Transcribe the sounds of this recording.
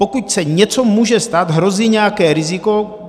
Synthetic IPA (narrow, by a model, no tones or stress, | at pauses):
pokucsɛɲɛt͡sɔmuːʒɛst̪ad̪ɦɾoziːɲɛakɛːɾiziko